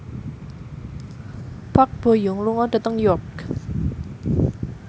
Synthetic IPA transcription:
pak̚b̥o̤jʊŋluŋɔɖa̤t̪əŋjɔk

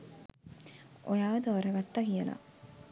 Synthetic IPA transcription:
ʔojaːʋəd̪əʋɐɾɐɡɐt̪ːakijəla̰

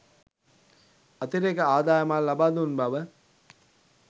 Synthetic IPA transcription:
ɐt̪iɾekəaːd̪aːjəmalːabaːd̪unbaʋə

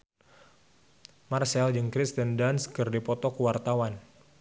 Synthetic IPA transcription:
marsɛld͡ʒəŋkɾist̪əndanskɨrdipɔt̪ɔkuwart̪awan

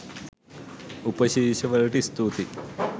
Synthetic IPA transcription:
upɐɕiːɕɐʋɐlʈist̪ut̪i

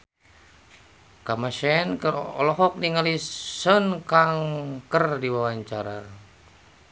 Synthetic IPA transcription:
kamaʃɛnkərɔlɔɦɔk̚niŋalisənkaŋkərdiwawaɲt͡ʃaɾa

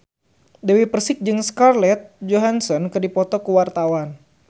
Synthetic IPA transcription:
dɛwipərsɪk̚d͡ʒɨŋskarlɛt̪̚d͡ʒoɦansɔnkɨdipɔt̪ɔkəwart̪awan

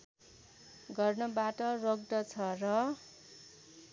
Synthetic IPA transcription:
ɡʌrnʌbaʈʌroɡ̚ɖʌt͡sʰʌrʌ

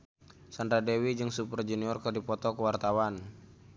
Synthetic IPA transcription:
sand̪ɾadɛwid͡ʒɨŋsupərd͡ʒɛniɔrkərdipɔt̪ɔkəwart̪awan

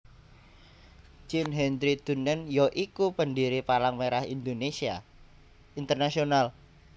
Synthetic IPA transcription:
d͡ʒinɦɛndɾid̪̥ṳnənjɔʔikupəndiɾipalaŋmeɾahḭnd̪onesia̰ | int̪ərnasional

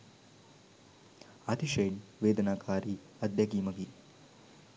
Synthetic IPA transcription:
ɐt̪ʰiʃejnʋeːd̪ɐnaːkʰaːɾi | ɐd̪jɐɡiːmɐɡi

